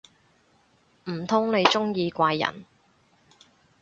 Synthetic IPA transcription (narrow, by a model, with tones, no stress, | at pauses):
m̩˨˩t̪ʰʊ˥ŋne˨˧jt͡ʃʊ˥ŋjiː˧kʷaː˧jːɐ̰˨˩n